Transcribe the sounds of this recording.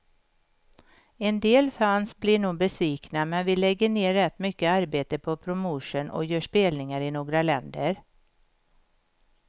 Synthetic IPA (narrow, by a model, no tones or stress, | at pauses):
ɛnd̪eːlfansblɪɳuːɡ̚bɛsviːknamɛnvɪlɛɡːəɳeːɾːɛt̪ːmʏkːəaɾbeːt̪əpʰɔpʰɾʊmuʂənʔɔ̰jœːʂpeːlnɪŋaɾɪnoːɡɾalɛnd̪əɾ